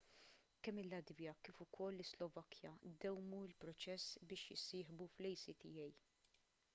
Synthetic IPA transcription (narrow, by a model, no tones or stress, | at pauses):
kɛmːɪlːɐd̪vjɐkiːfʊkʰɔlːɪslɔvɐkʰjɐd̪ɛwmuɪlpɾɔt͡ʃɛsːbɪːʃjɪ̰sɪːħbuflɛjsit̪ɪjɛj